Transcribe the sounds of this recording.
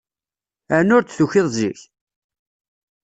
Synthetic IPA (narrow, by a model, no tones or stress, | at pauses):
ænʊɾt͡s̪θuçɪðˤziç